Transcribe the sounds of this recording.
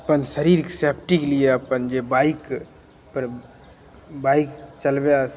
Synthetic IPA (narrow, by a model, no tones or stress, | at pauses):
ɐpənsəɾiːɾkesepʰʈikelieɐpənd͡ʒebaːɪk | pəɾ | baːɪkt͡ʃɐlbea